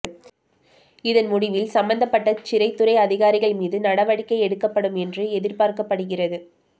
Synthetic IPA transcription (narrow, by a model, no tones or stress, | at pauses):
ɪðɐnmʊɽɪʋɪlsɐmbɐnd̪ɐpːɐʈːɐt͡ʃɪɾɐɪt̪ːɯrɐɪɐðɪɣaːɾɪɣɐɭmiːðɯnɐɽɐʋɐɽɪkːɐɪɛɽɯkːɐpːɐɽɯmɛndrɯɛðɪɾpaːɾkɐpːɐɽɯɣɪrɐðɯ